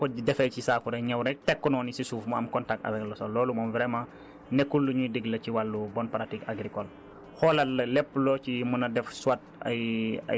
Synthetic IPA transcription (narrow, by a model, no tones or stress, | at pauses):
kɔdɛfɛjcisaːkuɾɐɲɛwɾɛk̚tɛkːɔnɔːnisisuːfmɐɐmkɔntak̚tɐ̰vɛklɐsɔlɔːlumɔmvɾɛmãː | nɛkːulːuɲudəɡlɐciwalːubɔnpɾatikaɡɾikɔl | xɔlɐɐlɛpːlɔcimunɐdɛfswat̚ | ɐ̰jɐ̰